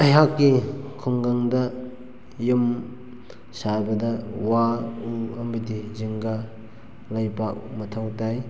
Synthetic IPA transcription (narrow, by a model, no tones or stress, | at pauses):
ɐɦakːikʰɔŋɡaŋdɐ | jum | sabɐdɐwauɐmbɐdiziŋɡa | lɐjpak̚mɐtʰawtaj